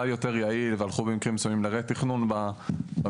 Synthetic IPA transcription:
ajo̞t̪e̞ʁjailvealχubemikʁimsomimlaʁet̪iχnunbaba

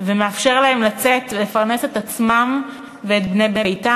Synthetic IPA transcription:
vemeafʃe̞ʁlae̞mlat͡set̪vele̞faʁne̞set̪at͡smam | veːt̪̚bnejbejta

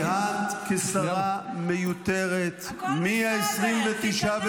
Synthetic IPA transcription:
at̪kesaʁamejut̪eʁet̪ | miaesʁimvet̪iʃav

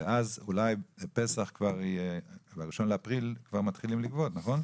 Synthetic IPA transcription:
veazulajpesaχkvaʁebaʁiʃo̞nleapʁilkv̥aʁmat̪χilimlikvot̪naχo̞n

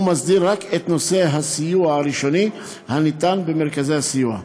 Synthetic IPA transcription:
masd̪iɾːaket̪no̞seɦasijuaɾiʃo̞ni | hanit̪anbemeɾkazehasijua̰

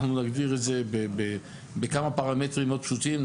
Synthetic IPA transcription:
χnunaɡdiʁetzebebe | bekamapaʁametʁimod̪̚pʃut̪im

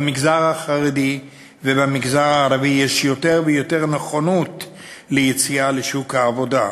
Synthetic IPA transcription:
miɡzaʁaχaʁedi | vebamiɡzaʁaːʁavijeʃjo̞te̞ʁvejo̞teʁneχonot | lejet͡sialeʃukhaːvo̞da

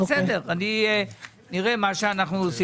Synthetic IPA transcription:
sed̪eʁani | niʁemaʃeanaχnusi

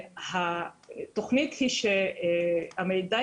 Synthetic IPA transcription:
hat̪o̞χnit̪hiʃe | amejda

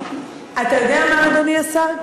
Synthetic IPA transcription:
at̪ajod̪eamaalomiasa

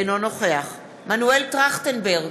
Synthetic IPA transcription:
nono̞χe̞aχ | manueltʁaχt̪enbeʁɡ

